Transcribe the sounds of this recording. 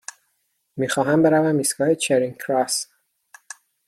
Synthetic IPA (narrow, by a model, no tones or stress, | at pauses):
miːxɒːɦæmbe̞ɾævæmːiːsɡɒːhet͡ʃʰeɾiŋkʰɾɒs